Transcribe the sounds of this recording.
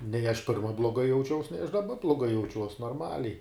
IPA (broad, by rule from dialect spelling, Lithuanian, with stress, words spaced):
nʲɛɪ ɐʃ ˈpʲɪrmɐ blˠoːˈɡɐɪ jɛʊˈt͡ʃʲɛʊs nʲɛɪ ɐʃ dɐˈbɐ blˠoːˈɡɐɪ jɛʊˈt͡ʃʲuɔs noːrˈmɑːlʲɛɪ